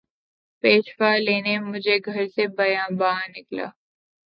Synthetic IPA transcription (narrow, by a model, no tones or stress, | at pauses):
peːʃfaːleːnemʊd͡ʒʱeɡʱɐɾsebɐjãːbaːnɪkla̰ː